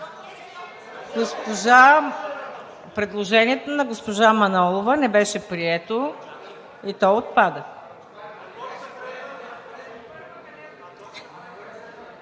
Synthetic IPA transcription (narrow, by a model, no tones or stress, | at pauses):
ɡospoʒa | pɾɛd̪lˠoʒɛniɛt̪onɐɡospoʒamɐnɔlˠovənɛbɛʃɛpɾiɛt̪o | it̪ɔot̪̚pad̪ə